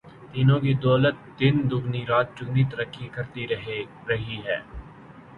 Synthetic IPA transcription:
t̪iːnõkid̪ɔːlət̪̚d̪ɪnd̪ʊɡniɾaːt̪̚t͡ʃʊɡnit̪ɐɾəkʰːikɐɾt̪iɾɦe | ɾɐɦiɦɛː

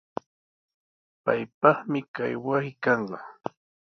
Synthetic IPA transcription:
pa̰jpɑχmɪka̰jwasɪkɑɴɢɑ

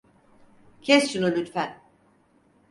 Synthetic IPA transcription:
cʰɛst͡ʃunulʲyt̪fæn

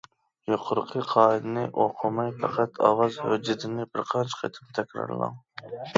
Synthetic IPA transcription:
joqʰʊɾqʰəqʰɑːid̪ɨnɪʔoqʰʊmɑjpʰɑqʰæt̪ʰɑ̰wɑzhød͡ʒɪt̪ɪnɪbɪɾqʰɑnt͡ʃʰqʰḛt̪ʰɪ̥mt̪ʰɛkʲɾɑ̰ɾlˠɑ̰ŋ

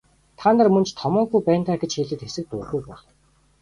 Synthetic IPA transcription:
t̪ʰaːnt̪ə̆rmɵ̆nt͡ɕt̪ʰɔmɔːɡujpæːnt̪aːɡet͡ɕxiːɮɘ̆t̪xesɘ̆k̚t̪ʊːɣujpɔːɮ

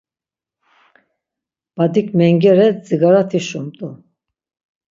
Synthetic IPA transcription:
b̥ad̪ikʰmɛŋɡɛɾɛd͡ziɡaɾat̪ʰiʃumt̪ʼu

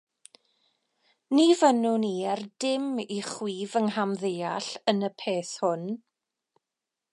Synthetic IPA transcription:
nivənuniɛrdɪmiχwiːvənɦamðejaɬənəpʰeːθhʊn

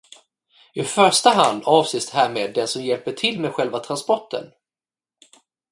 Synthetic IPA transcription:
ɪfœʂʈaɦand̪ɑːvseːst̪hæːɾmeːd̪ːɛnsɔmjɛlpəʈʰɪlmeːd̪ɧɛlvat̪ʰɾanspɔʈʰːə̰n

